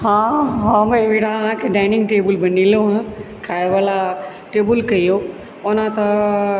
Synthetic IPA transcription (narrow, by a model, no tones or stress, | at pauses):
ɦãːɦãːmɐʋiɽaʋãkʰeːɖaːɪnɪ̃ŋɡʈeːbəlbɐnĩloɦã | kʰaːeʋala | ʈeːbʊlkɐijoː | ʊnãt̪ɐ